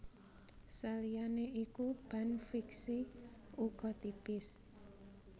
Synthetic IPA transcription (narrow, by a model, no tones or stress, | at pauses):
salijaneʔikub̥a̤nfiksiuɡ̥ɔ̤t̪ipɪs